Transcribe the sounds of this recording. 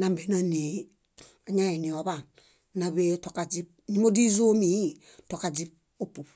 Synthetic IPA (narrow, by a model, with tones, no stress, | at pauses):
na˨mbe˨˦no˦ni˨ | a˨ɲa˦e˨ni˨o˨ba˨ŋ | na˨βe˦to˨ka˨d͡ʒi˦p̚ɲi˦mo˦di˦zo˦mi˨˦i˦ | to˨ka˨d͡ʒi˦p̚ | o˦pu˨p